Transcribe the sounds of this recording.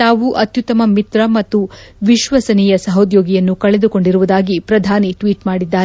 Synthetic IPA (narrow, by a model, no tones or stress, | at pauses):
t̪aːʋuʔɐt̪jut̪ɐmɐmit̪ɾɐmɐt̪ːuʋiʃʋɐsɐnijɐsɐɦod̪joːɡijɐnːukɐɭɛd̪uko̞ɳɖiɾuʋud̪aːɡipɾɐd̪ʱaːniʈʋiːʈmaːɽid̪ːaːɾ